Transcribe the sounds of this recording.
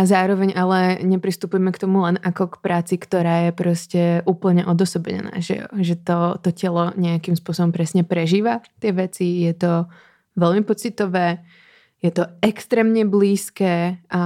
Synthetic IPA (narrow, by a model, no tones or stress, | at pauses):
ʔazaːɾɔʋɛɲalɛɲɛpɾist̪upujɛmɛkt̪ɔmulɛnakɔkpɾaːt͡sikt̪ɔɾaːjɛpɾɔscɛʔuːpl̩ɲɛʔɔd̪ɔsɔbɛɲɛ̰na̰ːʒɛ̰ɔ̰ʒɛt̪ɔt̪ɔcɛlɔɲɛakimspʊɔsɔbɔmpɾɛsɲɛpɾɛʒiːʋat̪ɪɛʋɛt͡sijɛt̪ɔ | ʋɛlmipɔt͡sit̪ɔʋɛː | jɛt̪ɔɛkst̪ɾɛːmɲɛbliːskɛːʔa